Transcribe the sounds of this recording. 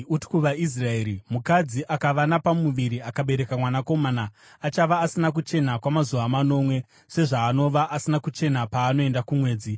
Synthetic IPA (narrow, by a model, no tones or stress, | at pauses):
uti̥kuʋais̬rae̞ɾimukad͡ziʔakaʋanapamuʋiɾiakaɓe̞ɾe̞kamwanako̞manaː | t͡ʃaʋaːsinak̬ut͡ʃe̞nakwamazuʋamano̞mwe̞ | se̞ʐaːno̞ʋaʔasinakut͡ʃe̞napaːno̞e̞ndakumwe̞ːd͡zi